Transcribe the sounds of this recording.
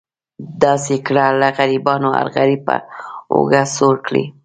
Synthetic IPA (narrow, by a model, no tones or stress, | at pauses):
d̪ɑsekɽalaɣaɾibɑnoa̰ɾɣaɾipə̰o̰ɡasoɾkɽḭ